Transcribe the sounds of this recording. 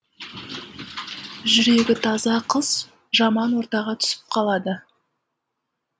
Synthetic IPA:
ʒʏɾe̞ɡʲɪt̪ʰɑzɑqʰəz̥ | ʒɑmɑnwo̞ɾt̪ɑʁɑt̪ʰʏ̥sɪ̥p̚qʰɑlˠɑd̪ə

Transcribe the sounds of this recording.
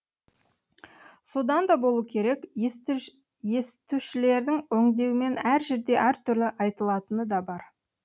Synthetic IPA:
so̞d̪ɑnd̪ɑbo̞lˠukʲʰe̞ɾe̞k | je̞st̪uʃɪle̞ɾd̪ɪŋwɵŋd̪e̞wɪme̞næɾʒe̞ɾd̪e̞ʔæɾt̪ʰʏɾlɪʔɑjt̪əlˠɑt̪ənəd̪ɑbɑɾ

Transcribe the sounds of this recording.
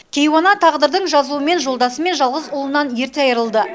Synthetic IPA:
kʲʰe̞jwonɑt̪ʰɑʁd̪əɾd̪əɴʒɑzuəme̞nʒo̞lˠd̪ɑsəme̞nʒɑlˠʁəzʊlˠənɑnje̞ɾt̪eɑjəɾəlˠd̪ə

